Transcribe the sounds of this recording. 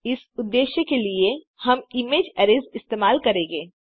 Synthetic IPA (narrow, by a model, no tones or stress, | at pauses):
ɪs | ʊd̪ːeːʃjəkelie | hɐmɪmeːd͡ʒɛɾɪzɪst̪eːmaːlkɐɾẽːŋɡeː